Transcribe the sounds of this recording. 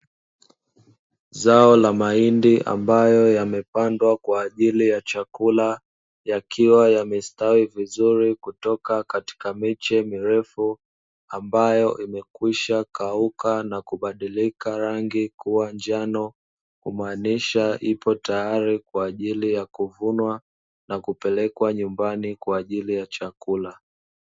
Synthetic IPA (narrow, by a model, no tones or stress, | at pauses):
zaɔlamaindiʔa̰mbajɔjamɛpandwakwaːʄilijat͡ʃakula | jakʰiwajamɛstawivizuɾikutɔkakati̥kamit͡ʃɛmiɾɛfu | ambajɔʔimɛkwiʃakaukanakuɓaɗilikaɾaŋɡikuwand͡ʒanɔ | kumaːniʃaʔipɔtajaɾikwaːʄilijakuvunwa | nakupɛlɛkwaɲumbanikwaːʄilijat͡ʃakula